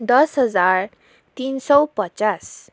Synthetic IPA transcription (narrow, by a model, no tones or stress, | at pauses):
d̪ɔsɦəd͡zaɾ | t̪insɔpət͡ʃas